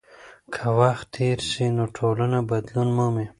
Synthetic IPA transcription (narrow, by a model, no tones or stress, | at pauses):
kʰawaxt̪ʰeːɾsinoʈʰolanabɐd̪lunmoːme